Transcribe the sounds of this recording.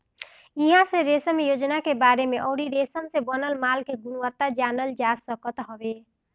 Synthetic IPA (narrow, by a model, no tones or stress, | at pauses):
iɦãsẽɾesəmjod͡ʒnakebaɾemeʔɔwɽiɾesəmsẽbənəlmalkeɡunwət̪ːad͡ʒanəld͡ʒasəkət̪ɦəbe